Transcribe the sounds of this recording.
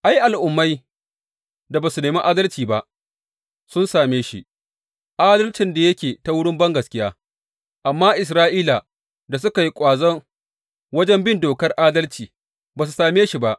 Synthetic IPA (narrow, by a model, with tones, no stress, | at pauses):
ʔa˦jʔa˨lʔʊ˨mːa˦j | da˨baː˨su˨neː˨mi˦ʔaː˦dɐ˦lt͡ʃiː˨ba˦ʔ | sʊ˦nsaː˨meː˦ʃḭ˦ʔ | ʔaː˦dɐ˦lt͡ʃɪ˨nda˨jɐ˦kʲeː˨ta˦wʊ˦ɽɪ˦mbɐ˦ŋɡɐ˨skʲɪ˦jaː˦ | ʔa˨mːaː˦ʔɪ˨s̬ɾaː˦ʔiː˦la˨ | da˨s̬ʊ˦ka˨ji˦kʷʼaː˨zɐ˦ŋ | wɐ˦d͡ʒɛ˦mbɪ˦ndoː˨kɐ˦rʔaː˦dɐ˦lt͡ʃiː˨ | baː˨s̬u˨saː˨meː˦ʃi˨ba˦ʔ